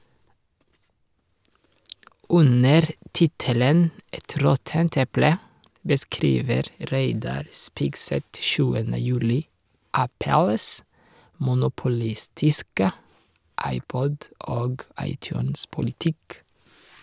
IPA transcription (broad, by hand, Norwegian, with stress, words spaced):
ˈʉnəɾ ˈtɪtələn ˈɛt ˈɾɔtənt ˈɛplə bəˈskɾiːʋəɾ ˈɾeɪdɑɾ ˈspɪɡˌsɛt ˈʃʉːənə ˈjʉːlɪ ˈʔæpəls mʊnʊpʊˈlɪstɪskə ˈʔɑɪˌpɔd ˈoːɡ ˈɑɪˌtjʉːnspʊlɪˌtɪk